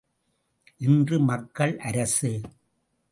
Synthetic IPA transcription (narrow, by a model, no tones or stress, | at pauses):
ʔɪndrɯmɐkːɐɭʔɐɾɐsɯ